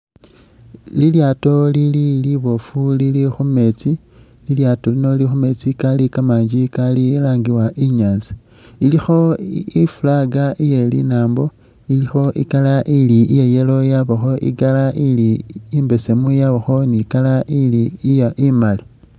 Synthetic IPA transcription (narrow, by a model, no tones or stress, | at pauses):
liljaːto̞lililiβo̞fulilixume̞t͡si | liljaːto̞lino̞lixume̞t͡sikalikamaːɲd͡ʒikalilaːŋɡiwaʔiɲaːnzi̥ | ilixo̞ifulaɡaʔijelḭnaːmbo̞ | ilixo̞ʔḭkalaʔiliijeje̞lo̞jaβoxo̞ʔḭɡalaʔiliːmbe̞se̞mujaβoxo̞nikalailijaʔimali